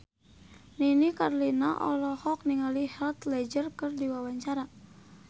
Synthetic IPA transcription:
ninikarlinaʔɔ̰lɔhɔk̚niŋalihɛlt̪lɛd͡ʒərkərdiwawaɲt͡ʃaɾa

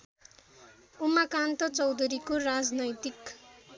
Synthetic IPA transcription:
umakant̪ʌt͡sʌwd̪ʱuɾikorad͡znʌjt̪ik

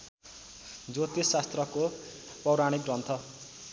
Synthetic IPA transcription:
d͡zot̪issast̪rʌko | pʌwɾaɽ̃ikrʌnt̪ʰʌ

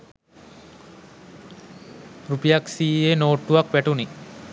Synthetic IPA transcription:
rupijaksiːenoːʈːuʋakʋæʈuni

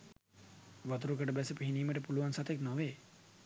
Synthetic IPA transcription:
ʋat̪uɾuk̬əʈəbɛsəpiɦiniːməʈəpuluʋansat̪eknoʋeː

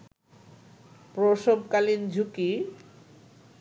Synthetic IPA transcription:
pɾoʃobkalind͡ʑʱuki

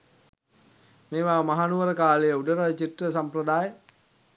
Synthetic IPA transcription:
meːʋaːmaɦanuʋəɾəkaːlejəuɖəɾət͡ʃitrəsamprəd̪aːjə

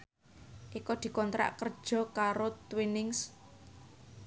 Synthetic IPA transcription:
ʔikɔd̪̥i̤kɔnt̪ɾa̰ʔkər̥ʒ̥ɔ̤kaɾot̪winɪŋs

